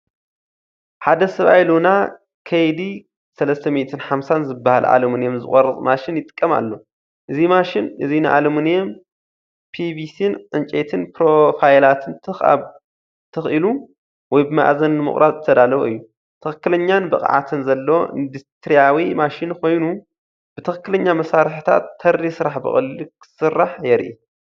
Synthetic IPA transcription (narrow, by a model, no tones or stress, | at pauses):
ħad̪ɐsɐβajluna | kʰɐjd̪i | sɐlɐst̪ʰɐmet̪ʰɨnħamsanzɨbːahalʔa̰lomɨnjemzɨ̰xʼɐrɨtʼmaʃɪnjɪt̪ʼɨ̥kʼːɐma̰lːo̞ | ʔɨzimaʃɪnʔɨzinɨʔa̰lɐmɨnjɛm | pʰibisinʕɨnt͡ʃʼet̪ʰɨnpɾo̞fajlat̪ʰɨnt̪ʰɨxa̰ | t̪ʰɨxʔɨlu | wɔjbɨma̰ʕzɐnnɨmɨ̰χʼɾʔad̪zɨt̪ʰɐd̪alɐβoɨ̰jːu | t̪ʰɨxɨkːɨlɐɲːanbɨ̰kʼʕa̰t̪ʰɨnzɐlːɐwoʔɨ̰nd̪ɨst̪ɾijawimaʃɪnkʰo̞jnu | b̥ɨt̪ʰɐxɨkːɨlɐɲːamɐsaɾħɨt̪ʰa̰t̪ʰːɐrːisɨɾaħbɨ̰xʼɨ̰likʰɨ̥sɨrːaħjɛɾʔi